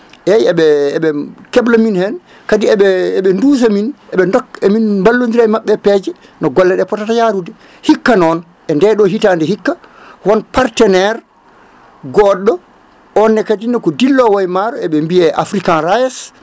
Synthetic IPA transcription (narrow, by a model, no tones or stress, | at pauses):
ʔɛɛɓɛːɓɛkɛblaminhɛn | kadiɛɓɛɛɓɛndus̬aminʔɛɓɛndɔkɛminmbalːondiɾajmaɓːɛpɛːd͡ʒɛ | nɔɡɔlːɛɗɛpɔtatajaɾudɛ | hikːanɔn | ʔɛndɛɗɔɦitandɛhikːawɔnpaɾtɛnɛɾ | ɡɔɗɔ | ɔnːɛkadinɔkɔdilːɔwajmaɾɔɛɓɛmbiɛʔafɾikanɾajɛs